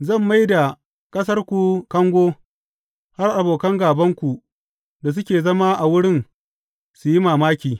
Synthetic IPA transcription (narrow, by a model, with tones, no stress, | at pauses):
zɐ˦˨mːa˦jda˨ | kʼɐ˦s̬ɐ˦rkʷu˨kɐ˦ŋɡʷoː˦ | ha˦rʔa˨boː˨kɐ˦ŋɡaː˨bɐ˦ŋkʷu˨ | da˨s̬ʊ˦kʲeː˨zɐ˦ma˦ʔa˨wʊ˦ɽɪ˦n | su˨ji˦maː˨maː˦kʲiː˨